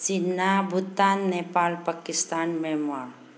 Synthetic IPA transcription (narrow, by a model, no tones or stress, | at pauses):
t͡ʃinːabʱut̪ːanːepaːlpakɪst̪anmɛmaɾ